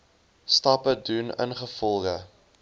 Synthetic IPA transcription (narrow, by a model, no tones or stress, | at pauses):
stɐpədunə̰nχəfɔlˠχə